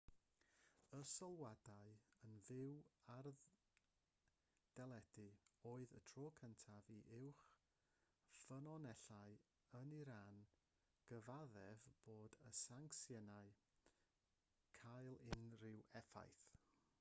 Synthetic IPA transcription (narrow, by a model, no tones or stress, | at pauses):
əsəlˠwadaɨənvɪwarð | d̥ɛlˠɛdɨoːɨðə̰tʰroːkʰəntʰaviʔɪwχ | fənɔnɛɬaɨ | əniɾaːn | ɡ̥əvaðɛvb̥oːdə̰saŋksjɛnaɨ | kʰajlˠɪnrɪwɛfa̰jθ